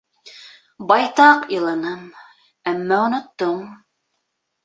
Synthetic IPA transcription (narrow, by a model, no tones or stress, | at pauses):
bɑjt̪ɑqilˠɑnɤm | æmːæonŏt̪ːom